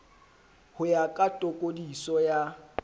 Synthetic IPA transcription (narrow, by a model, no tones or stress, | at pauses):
hʊjakʼatʼokʼodisɔja